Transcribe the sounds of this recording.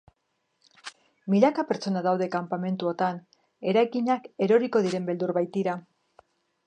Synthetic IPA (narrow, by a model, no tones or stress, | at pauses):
milakape̞ɾt͡so̞naðawðe̞kampame̞nt̪uo̞t̪an | e̞ɾajɣiɲake̞ɾo̞ɾiko̞ðiɾe̞mbe̞ld̪uɾβajt̪iɾa